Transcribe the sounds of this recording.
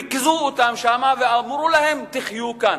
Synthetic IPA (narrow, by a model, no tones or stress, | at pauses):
ikzuot̪amʃamavealmuɾulahemt̪iχjukan